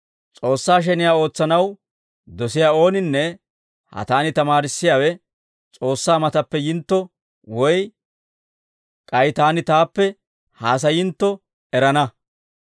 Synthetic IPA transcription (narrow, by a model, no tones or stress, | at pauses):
t͡sʼo̞ːsːaːʃ̬ɛnɪjaːo̞ːt͡sːɐnɐw | d̪ɔsɪjaːo̞ːnɪnːɛ | hɐ̰t̪aːnɪt̪ɐmaːɾɪsːɪjaːwɛ | t͡sʼo̞ːsːaːmɐt̪ɐpːɛjɪnt̪ːɔ | wɔj | kʼɐjt̪aːnɪt̪aːpːɛ | haːs̬ɐjɪnt̪ːɔ | ɛɾɐnɐ